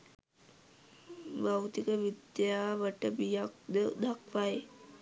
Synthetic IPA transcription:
ʋawt̪ikəʋid̪jaːʋəʈəbijakd̪əd̪ʱakʋaj

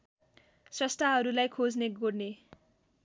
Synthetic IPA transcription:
srʌst̪aɦʌɾulajkʰod͡zneɡorne

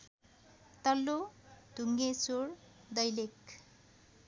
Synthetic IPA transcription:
t̪ʌlːod̪̥ʱuŋɡesoɾ | d̪ʌjlek

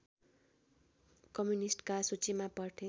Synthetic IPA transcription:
kʌmjunisʈkasut͡simapʌrʈʰe

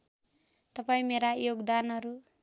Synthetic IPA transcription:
t̪ʌpaĩmeɾajoɡd̪anɦʌɾu

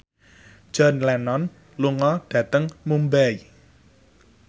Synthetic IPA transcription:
ʒ̥ɔ̤nlɛnɔn | luŋɔɖ̥ä̤t̪əŋmumbai

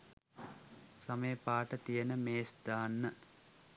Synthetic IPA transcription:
sɐmejpaːʈət̪ijənəmeːsd̪aːnːə

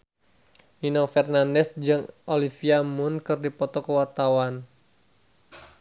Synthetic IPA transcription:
ninɔfɛrnandɛsd͡ʒɨŋʔolifiamʊnkɨrdipɔt̪ɔkəwart̪awan

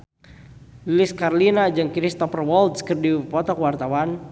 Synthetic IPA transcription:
llɪskarlinad͡ʒaŋkɾist̪ɔpərwɔld̪skərdipɔt̪ɔkwart̪awan

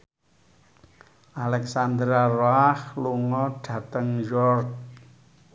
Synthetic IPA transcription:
ʔalɛksand̪ɾaroahluŋɔɖ̥ä̤t̪əŋjɔrt̚

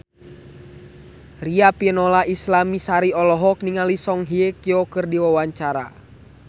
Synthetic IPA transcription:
riapiənɔlaislamisaɾiɔlɔɦɔk̚niŋalisɔŋɦiekiɔkɨrdiwawaɲt͡ʃaɾa̰

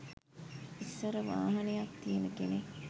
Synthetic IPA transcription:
isːəɾəʋa̰ːɦɐnejakt̪ijenəkene

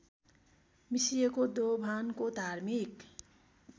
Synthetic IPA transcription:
misijekod̪obʱankod̪ʱarmik

